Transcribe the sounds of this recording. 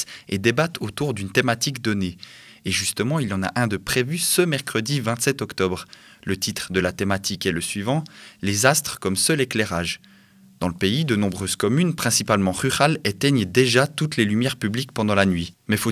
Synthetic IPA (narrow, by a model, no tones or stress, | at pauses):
ed̪ebat̪ʰot̪uʁd̪ynt̪emat̪ikd̪ɔneː | ʒyst̪əmɑ̃ilɑ̃na̰ʔɛ̃d̪əpχevysəmɛʁkχəd̪ivɛ̃t̪sɛt̪ɔkt̪ɔbʁ | lət̪it̪χd̪əlat̪emat̪ʰikɛləsɥivɑ̃lezast̪χkɔmsœleklɛʁaʒ | d̪̥ɑ̃ləpeid̪ənɔ̃bʁøzkɔmynpχɛ̃sipalmɑ̃ʁyʁalɛt̪ɛɲd̪eʒat̪ut̪lelymjɛʁpyblikpɑ̃d̪ɑ̃lanɥimɛfo